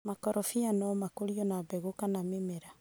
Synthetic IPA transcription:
makɔɾɔfianɔmakoɾiɔnabɛɣokanamemɛɾa

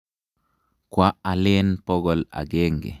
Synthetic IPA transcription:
kwaalɛnpɔɡɔla̰ɡɛŋɡɛ̰

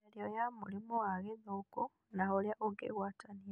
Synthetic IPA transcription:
eljojamulimuaɣeðoko | naholjaʔoɡḛɣwatʰani

